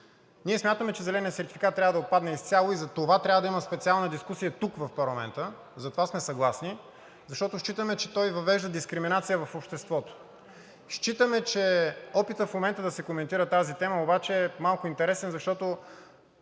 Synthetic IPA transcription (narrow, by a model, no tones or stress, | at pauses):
niɛsmʲjat̪əmɛt͡ʃɛzɛlɛnijət̪sɛɾt̪i̥fikat̪t̪ːɾʲavəd̪ɐot̪pad̪nɛist̪sʲalˠoizɐt̪ovat̪ɾʲavəd̪ɐiməspɛt̪sialˠnəd̪iskusijət̪ukvɐfpɐɾlˠɐmɛ̰nt̪ə | zɐt̪ovasmɛsɐɡlˠasni | zɐʃt̪ɔt̪ʊʃt͡ʃit̪əmɛt͡ʃɛt̪ɔjvɐvɛʒd̪əd̪iskɾiminat̪sijəvɐfopʃt̪ɛst̪vɔt̪o̥ | ʃt͡ʃit̪əmɛt͡ʃɛɔpit̪əfmomɛnt̪əd̪ɐsɛkomɛnt̪iɾət̪azit̪ɛməobat͡ʃɛːmalˠkʊint̪ɛɾɛsɛnzɐʃt̪ɔt̪o